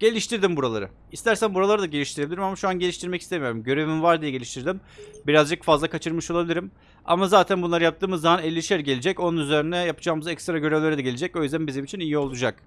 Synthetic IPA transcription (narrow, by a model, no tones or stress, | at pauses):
ɟ̥e̞lʲiʃt̪iɾd̪imbuɾalˠa̰ɾɯ | ist̪æɾsænbuɾalˠaɾɯd̪aɟe̞lʲiʃt̪iɾebilʲiɾimamaʃuanɟe̞lʲiʃt̪ʰiɾmɛci̥st̪emijo̞ɾumɟø̞ɾevimvaɾd̪ijɛɟeiʃt̪ʰiɾd̪imbiɾazd͡ʒɯkfazlˠakʰat͡ʃʰɯɾmɯʃo̞lˠabilʲiɾim | a̰mazaːt̪ʰænbunˠaɾɯjap̚t̪ɯːmɯzːamanɛlʲːiʃæɾɟe̞lʲid͡ʒɛco̞nunyzeɾind̪ɛjapɯ̥d͡ʒaːmɯzɛkst̪ɾaɟøɾevlʲeɾɛd̪ɛɟe̞lʲid͡ʒɛcojyzd̪ænbizimit͡ʃʰinijio̞lˠud͡ʒak̚